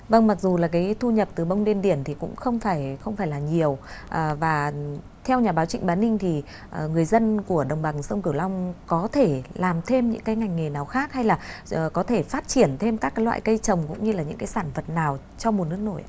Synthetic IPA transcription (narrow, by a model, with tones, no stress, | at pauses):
və˧ŋma˨˩k̚zu˨˩laː˨˩kaː˨˦jt̪ʰu˧ɲə˨˩p̚t̪ɨ˨˩ɓə˧wŋ͡mɗi˧ənɗi˧˩ənt̪ʰi˨˩kʊ̰˧˥ŋ͡mxə˧wŋ͡mfaː˧˩jxə˧wŋ͡mfaː˧˩jlaː˨˩ɲi˨˩əwʔəː˨˩vaː˨˩ | t̪ʰɛ˧wɲaː˨˩ɓaː˨˦wt͡ɕï˧˩ŋ̟ɓaː˨˦nï˧ŋ̟t̪ʰi˨˩ | ʔŋɨ˨˩əjzə˧nku˧˩əɗə˨˩wŋ͡mɓa˨˩ŋsə˧wŋ͡mki˧˩əwla˧wŋ͡mkɔ˨˦t̪ʰe˧˩laː˨˩mt̪ʰe˧mɲɨ̰˧˥ŋkaː˨˦jŋa˨˩jŋ̟ːŋe˨˩naː˨˩wxaː˦˥k̚ha˧jlaː˨˩˨kɔ˨˦t̪ʰe˧˩faː˦˥t̚t͡ɕi˧˩ənt̪ʰe˧mkaː˦˥k̚ːa˨˦lwa̰ː˧˨jkə˧jt͡ɕə˨˩wŋ͡mkʊ̰˧˥ŋ͡mɲɨ˧laː˨˩ɲɨ̰˧˥ŋkaː˨˦jsaː˧˩nfə˨˩t̚naː˨˩w | t͡ɕɔ˧mo˨˩nɨ˦˥ək̚no˧˩jʔa˧˦